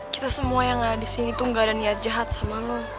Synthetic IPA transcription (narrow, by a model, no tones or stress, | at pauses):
ki̥t̪asəmuajaŋadisinit̪uŋɡaldaniat̪̚d͡ʒaɦat̪̚samalɔ